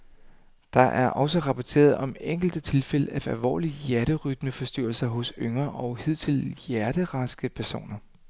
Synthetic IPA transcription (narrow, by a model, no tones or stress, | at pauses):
d̥ɑ̈ʔæɐʔɒ̽səʁɑ̈pʰɒt͡sʰe̝̰ːɐð̩ˠɒ̽meŋ̰ɡ̥l̩d̥ət͡sʰe̝lfel̰əæfælʋɒ̰ːlijæɐɾ̥əʁyd̥məfɒ̽sd̥yɐ̰l̩sɐɦɔ̽søŋɐʔɒ̽ʊhið̞̰ˠt͡sʰe̝ljæɐɾ̥əʁɑ̈sɡ̥əpʰæɐso̝̰ːnɐ